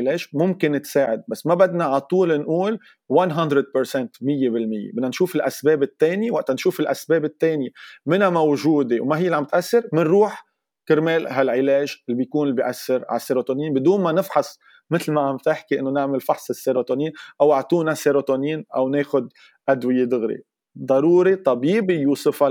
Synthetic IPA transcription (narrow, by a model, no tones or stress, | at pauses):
ɪleːʒmʊmkɪnːɪt̪saːʕɪd̪̚basːmabad̪naʕat̪ˤuːlnʔuːl | wanɦand̪ɾɪd̪̚pɪɾsɛnt̪mɪjːebɪlmɪjːḛbɪd̪nanʃuːfɪlʔasbeːbɪt̪ːeːnjewaʔt̪anʃuːfɪlʔasbeːbɪt̪ːeːnjemɪnamawʒuːd̪ewmaɪjːlʕambɪt̪ʔasːɪɾmɪnɾuːħ | kɪɾmeːlɦalʕɪleːʒɪlːbijkuːnɪlbiʔasːɪɾʕa̰sːeɾot̪oniːnbɪd̪uːnmanɪfħɑsˤ | mɪt̪lmaʕamb̚t̪ɪħkiʔɪnːonɪʕmɪlfɑħsˤɪsːeɾot̪oːniːnʔawʔaʕt̪ˤuːnaseɾot̪oniːnʔawneːxʊd̪̚ | ʔad̪wɪjed̪ʊɣɾḭ | d̪ˤɑɾuːɾit̪ˤɑbiːbijuːsɪfa